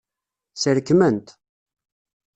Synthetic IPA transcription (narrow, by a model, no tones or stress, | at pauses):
səɾkːmənt̪